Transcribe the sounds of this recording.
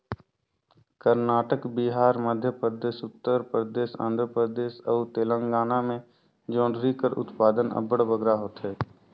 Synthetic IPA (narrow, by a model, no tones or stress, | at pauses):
kəɾnaːʈəkbiɦaːɾməd̪ʱjəpɾəd̪eːʃʊt̪ːəɾpɾəd̪eːʃã̰ːnd̪ʱɾəpɾəd̪eːʃəːt̪eːlə̃ŋɡaːnamẽ | d͡ʒõːɳɖɾikəɾʊ̰t̪paːd̪ənə̰bəɽbəɡɾaɦoːt̪ɦɛː